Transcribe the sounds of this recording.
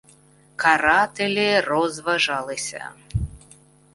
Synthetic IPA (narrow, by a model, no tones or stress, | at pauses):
kaɾat̪ɛlʲɛɾɔzvaʐalˠɨsʲɐ̰